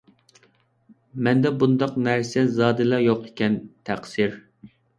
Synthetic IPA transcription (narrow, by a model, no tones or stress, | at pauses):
mɛnd̪ɛbund̪ɑqnæɾsɛzɑːd̪ɨlˠɑjoqekʲʰɛnt̪ʰæqsɪɾ